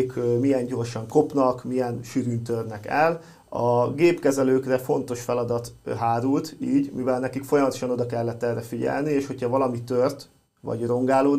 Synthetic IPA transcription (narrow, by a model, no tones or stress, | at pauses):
kmijɛɲɟo̞rʃɒŋko̞pnɒkmijɛnʃyɾynt̪ørnɛkɛl | ɒɡeːpkɛzɛløːkrɛfo̞n̪t̪o̞ʃfɛlɒd̪ɒt̪ɦaːɾult̪iːɟmivɛlnɛkikfo̞jɒmɒt̪o̞̥ʃɒno̞d̪ɒkɛlːɛt̪ːɛrːɛfiɟɛ̰lnieːʃho̞chɒvɒlɒmit̪ørt̪ | ʋɒ̰ɟro̞ŋɡaːloː